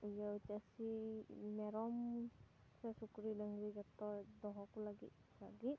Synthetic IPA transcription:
ujawtasimɛɾɔm | sɛsukɾidaŋɡɾiɡat̪ːɔd̪ɔɦɔkulaɡḭt̪̚ | laɡit̪̚

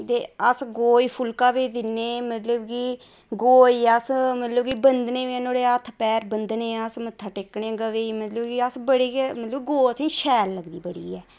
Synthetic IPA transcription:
t̪eːəsɡoːiːpʰʊlkaːʋiːd̪ɪneːmət̪ləbkiː | ɡoːiːəsmət̪ləbkiːbənd̪neːɛ̃ːnoːɽeːət̪ʰpɛːɾbənd̪neːəsmət̪ʰːaːʈɪkɳẽɡəʋeːiːmət̪ləbkiːəsbəɽiːmət̪ləbɡoːəsĩːʃɛːlːəɡd̪iːbəɽḭːɛː

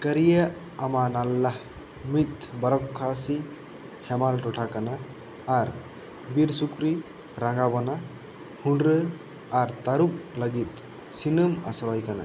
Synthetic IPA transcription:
kəɾijaʔ | amanalːah | mit̪̚bɐɾɔkʰːasi | hʰɛmalʈɔʈʰakanaː | ɾ | biɾsukɾi | ɾaŋɡabɔna | hunɖɾə | aɾt̪aɾup̚ləɡit̪̚ | sinəma̰swajkana̰

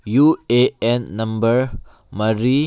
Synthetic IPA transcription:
jueɛ̃nːãmbəɹ | maɾi

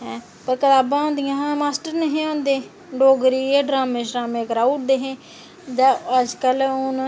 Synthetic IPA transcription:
ɦɛ̃ː | pəɾkəlaːbãːõːnd̪ɪjãːɦãmaːsʈəɾneɦẽːõːnd̪eː | ɖoːɡɾiːeːɖɾaːmẽːʃɾaːmẽːkɾaːuʈ̚d̪eːɦẽː | d͡ʒ̪aəd͡ʒkəlon

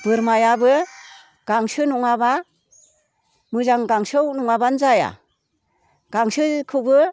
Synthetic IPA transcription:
b̥ɯɾmajabɯ | ɡ̥aŋsɯnuŋaba | mɯzaŋɡaŋsɯwnuŋabanzaja̰ | ɡ̥aŋsɯkʰɯbɯ

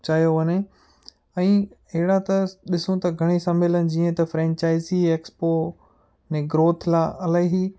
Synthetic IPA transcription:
t͡ɕaːijoʋɐɲe | ɛ̃ː | ɐɦɪɽat̪ɐɗɪsũt̪ɐɡʱɐɽ̃isɐmeːlənɪ̆d͡ʑiːə̃t̪ɐfɾɛ̃ːɲt͡ɕaːɪzieːkspoː | nẽɡɾoːt̪ʰlaːʔɐlaːɦi

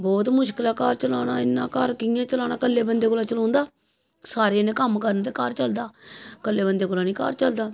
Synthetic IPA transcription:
bɔːt̪mʊʃkəlaːkaːɾt͡ʃəlaːnaːɪnːã̰ːkaːɾkɪjãːt͡ʃəlaːnaːkəlːeːbənd̪eːkoːlaːt͡ʃəlɔ̃ːnd̪aː | saːɾeːnẽːkəmkəɾənt̪̬eːkaːɾt͡ʃəld̪aːkəlːeːbənd̪eːkoːlaːnĩːka̰ːɾt͡ʃəld̪aː

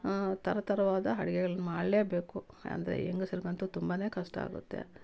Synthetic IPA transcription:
t̪ɐɾɐt̪ɐɾɐʋaːd̪ɐɦɐɽɐɡɛɡɐɭɐnɐmaːɽleːbe̞ːku | ɐ̰nd̪ɐɾḛeŋɡɐsiɾɡɐnt̪ut̪umbaːne̞ːkɐʂʈɐa̰ːɡṵt̪ːḛ

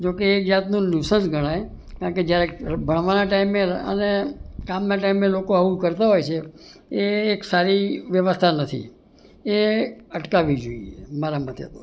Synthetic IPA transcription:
d͡ʒokeːkd͡ʒat̪nũnusənsɡʱəɽ̃aj | kãɳked͡ʒjaɾebʱəɽ̃ʋanaʈaimːeə̰nekamnaʈaimːelokoaũkəɾt̪aɦojt͡ʃʰeeːksaɾiʋjəʋəst̪ʰanət̪ʰḭ | eəʈkaʋid͡ʒoiemaɾamat̪jə̰t̪o

